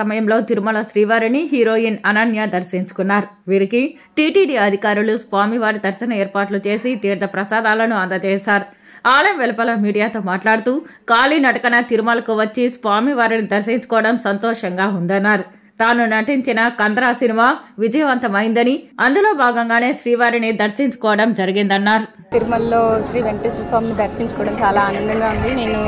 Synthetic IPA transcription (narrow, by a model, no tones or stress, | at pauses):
ɐmɐjɐmlo̞ːt̪iɾimɐlɐsɾiːʋaːɾiniɦiːɾo̞ːjinɐnɐnjad̪ɐɾsiɲt͡ʃu̥kunːaːɾuʋiːɾiki | ʈiːʈiːɖiːɐd̪ʱikaːɾulusʋaːmiʋaːɾid̪ɐɾsɐnɐɛːɾpaːʈlut͡ʃe̞ːsit̪iːɾd̪ʱɐpɾɐsaːd̪aːlɐnuɐnd̪ɐt͡ʃɛːsaːɾ | aːlɐmʋɛlɐpɐlɐmiːɖijaːt̪o̞ːmaːʈlaːɽut̪uːkaːlinɐʈɐkɐnɐt̪iɾimɐlɐkuʋɐt͡ʃːisʋaːmiʋaːɾinid̪ɐɾʃiɲt͡ʃu̥kɔːʋɐɽɐmsɐnt̪ɔːʂɐŋɡaːund̪ɐnːaːɾu | t̪aːnunɐʈiɲt͡ʃinɐkɐnd̪ɾaːsinimaːʋid͡ʒɐjɐʋɐnt̪ɐmɐjind̪ɐniɐnd̪ulo̞ːbaːɡɐŋɡaːne̞ːʃɾiːʋaːɾinid̪ɐɾʃiɲt͡ʃu̥kɔːʋɐɽɐmd͡ʒɐɾiɡind̪ɐnːaːɾu | t̪iɾimɐlːoːʃɾiːʋeɳʈisɐsʋaːmnid̪ɐɾʃiɲt͡ʃɐkɔːɐɽɐmt͡ʃaːlaːɐːnɐnd̪ɐŋɡaːund̪ineːnu